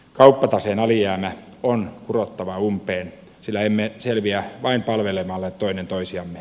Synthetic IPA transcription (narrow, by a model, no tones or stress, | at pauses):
kɑupːɑt̪ɑseːnɑliæːmæonkurot̪ːɑʋɑumpeːn | silːæemːeselʋiæʋɑimpɑlʋelemɑlːet̪t̪oinent̪oisiɑmːe